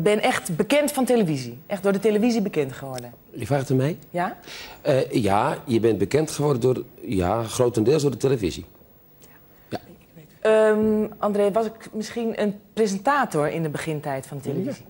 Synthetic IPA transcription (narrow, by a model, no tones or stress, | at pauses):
ɡ̚bɪnʔɛxtbəkɛntfɔnteləviziʔɛxt̚dʊːɹdəteləfizibəkɛntχəʋɔrdən | jəfaːxətənmɛjjaəjajəbɛnbəkɛntχəʋɔrdəndʊrja̰χroːtəndɪːlˠsdodəteləvḭzḭ | ja | əʔɑndreːʋɔsɪkmɪsxinənprezəntaːtoɹɪ̰ndəbəχɪntɛjtfɔndəteləvz